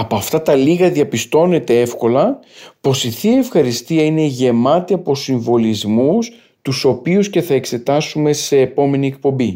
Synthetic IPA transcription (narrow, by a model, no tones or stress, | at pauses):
ɐpo̞ɐft̪ɐt̪ɐliɣɐðiɐpist̪o̞net̪e̞e̞fko̞lɐpo̞siθiefxɐɾist̪iɐine̞ʝe̞mɐt̪iɐpo̞siɱvo̞lizmus | t̪uso̞piusce̞θɐe̞kse̞t̪ɐsume̞se̞ːpo̞me̞nie̞k̚po̞mbi